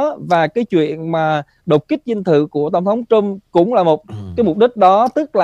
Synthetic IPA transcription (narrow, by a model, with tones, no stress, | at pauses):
vaː˨˩kaː˨˦jt͡ɕwḭ˧˨ənmaː˨˩ | ɗə˨˩wk͡p̚kï˦˥k̟̚zi˧n̟t̪ʰɨ̰˧˨ku˧˩ət̪ə˧˩ŋ͡mt̪ʰə˨˦wŋ͡mt͡ɕə˧mkʊ̰˧˥wŋ͡mlaː˨˩mo˨˩t̚kaː˨˦jmʊ˨˩ɗï˦˥k̟̚ɗɔ˨˦t̪ɨ˦˥k̚laː˨